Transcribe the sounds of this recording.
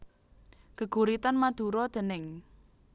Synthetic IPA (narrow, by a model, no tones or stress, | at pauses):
ɡ̥əɡ̥ṳɾit̪anmad̪̥ṳɾɔd̪̥ə̤nɪŋ